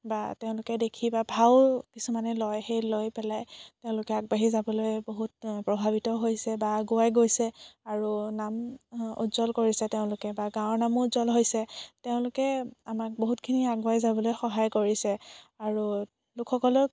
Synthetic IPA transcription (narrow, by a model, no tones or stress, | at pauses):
bateʊ̃lʊkɛdekʰibabʱaʊkisumanɛlɔjxejlojpɛlajteʊ̃lʊkɛaɡ̚baɦizabɔlojboɦut̚pɹɔbʱabitɔɦojsɛbaɡʊajɡojsɛaɹunamṵtzɔlkoɹisɛteʊ̃lʊkɛbaɡãɔɹnamʊtzɔlɦojsɛteʊ̃lʊkɛamak̚boɦutkʰiniaɡʊaɦizabɔlojxɔɦajkoɹisɛaɹu | lʊkʰxɔkɔlɔ